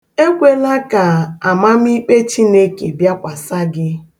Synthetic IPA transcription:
e˦kʷe˦la˦ka˨a˨ma˦m̩˦i˦k͡pe˦t͡ʃi˦ne˦ke˨bja˦kʷa˨sa˦ɡɪ˦

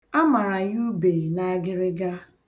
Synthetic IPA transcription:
a˦ma˨ɾa˨ju˦be˨na˦a˦ɡɪ˦ɾɪ˦ɡa˦

